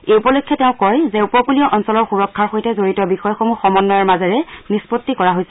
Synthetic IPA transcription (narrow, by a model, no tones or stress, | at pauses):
ejupɔlokʰːɔtɛʊ̃kɔjzɛupɔkulijɔʔɔnsɔlɔɹxuɹɔkʰːaɹxojtɛzoɹitɔbixɔjɔxomuxɔmɔnːɔjɔɹmazɔɹɛnispotːikɔɹaɦojsɛ̥